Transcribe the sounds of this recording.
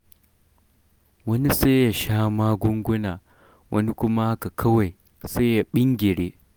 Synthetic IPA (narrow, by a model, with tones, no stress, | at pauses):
wɐ˦ni˦se˦ja˨ʃaː˦maː˦ɡʷʊ˦ŋɡʷʊ˦naː˨ | wʔɐ̰˦ni˦kʷʊ˦ma˦ha˦ka˨kʰɐ˦wa˨j | se˦ja˨ɓɪ˦ŋɡʲɪ˨ɽeː˦